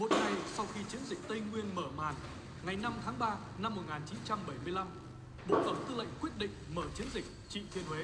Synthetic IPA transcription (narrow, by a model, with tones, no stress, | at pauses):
mo˨˩t̚ŋa˨˩jsa˧wxi˧t͡ɕi˨˦ənzï˨˩k̟̚t̪ə˧jŋwi˧ənməː˧˩ma̰ː˨˩n | ŋa˨˩jna˧mt̪ʰaː˨˦ŋɓaː˧ | na˧mːo˨˩t̚ŋaː˨˩nt͡ɕi˨˦nt͡ɕa˧mɓə˧˩jmɨ˧əjla˧m | ɓo̰˧˨fə˧˩ŋ͡mt̪ɨ˧lə̰˧˨jŋ̟kwi˦˥ət̚ɗḭ̈˧˨ŋ̟məː˧˩t͡ɕi˨˦ənzï˨˩k̟̚t͡ɕḭ˧˨t̪ʰi˧ənhwe˨˦